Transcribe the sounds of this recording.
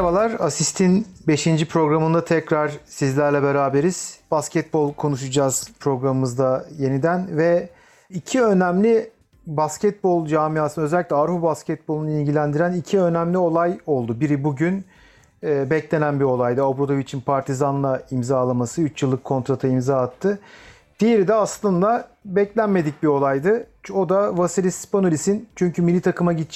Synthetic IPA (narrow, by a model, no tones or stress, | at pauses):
balˠaɾasist̪ʰinbe̞ʃind͡ʒipʰɾo̞ɡɾamɯnd̪at̪ʰɛcɾaɾ̥sizlʲæɾlʲɛbe̞ɾaːbe̞ɾiz̥b̥ascʰɛt̪̚bo̞lˠkʰo̞nuʃud͡ʒaːz̥pʰɾo̞ɡɾamɯmɯzd̪aje̞nid̪ænvɛ | icʰiø̞næmlʲi | bascɛt̪̚bo̞lˠd͡ʒaːmijaːsɯnøzɛlʲiclʲɛaɾfubascʰɛt̪̚bo̞lˠunuilʲɟilʲænd̪iɾænicʰiø̞næmlʲio̞lˠajo̞lˠd̪ubiɾibuɟynː | bɛclʲe̞nænbio̞lˠajd̪ɯabɾod̪ovit͡ʃʰinpʰaɾt̪ʰizanlˠaimzaːlˠamasɯyt͡ʃjɯlˠːɯkʰːo̞nt̪ɾat̪ʰaimzaːt̪ʰːɯ | d̪̥ijeɾid̪ɛaslˠɯnd̪abɛclʲænme̞d̪ic̚bio̞lˠajd̪ɯ | o̞d̪avasiɾʲisponolʲisint͡ʃʰyɲcʰymilʲːit̪ʰakʰɯmaɟit͡ʃ